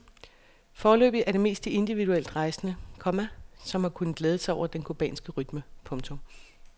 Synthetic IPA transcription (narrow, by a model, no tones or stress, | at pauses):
fɒːlø̰ːb̥ð̩ˠʔæɐɾe̝me̝̰ːsd̥ie̝nd̥iʋiðuel̰d̥ʁɑ̈ɪsnəkʰɒ̽mæsɒ̽mhɑ̈kʰun̩ˠɡ̥leːð̞ˠəsɑ̈ɪɒ̰ʊ̰ɐd̥enkʰob̥ɛ̰ːnsɡ̥əʁyd̥məpʰɔ̽ŋt͡sʰom